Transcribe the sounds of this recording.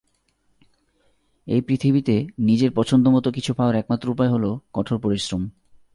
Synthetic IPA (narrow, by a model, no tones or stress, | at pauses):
ḛjpɾit̪ʰibit̪enid͡ʑeɾpɔt͡ɕʰond̪omɔt̪okit͡ɕʰupʰaoɾɛk̚mat̪ːɾoupaeɦolokɔʈʰoɾpoɾisɾom